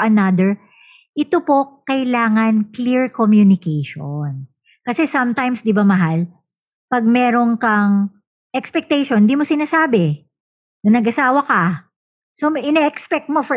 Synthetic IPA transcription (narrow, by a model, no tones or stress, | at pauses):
ʔɐnad̪ɛɹ | ʔɪt̪opo̞kɐɪlaːŋɐnkliɹkomjunɪkejʃon | kɐsɛsɐmt̪ajmsd̪ɪbamɐɦal | pɐɡ̚mɛːɾonkɐŋ | ʔɛkspɛk̚t̪ɛjʃond̪iːmosɪnaːsaːbɛ | nɐnɐɡʔɐsaːwɐkɐ | soʔɪnɛʔɛkspɛk̚t̪̚mofɔ